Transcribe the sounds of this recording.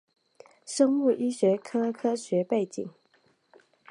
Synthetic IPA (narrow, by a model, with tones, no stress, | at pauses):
ʂɤ˥ŋmu˥˩ʔi˥ɕɥɛ˧˥kʰɤ˥kʰɤ˥ɕɥɛ˨˧˥pe˥˩ɪt͡ɕḭ˨˩˦ŋ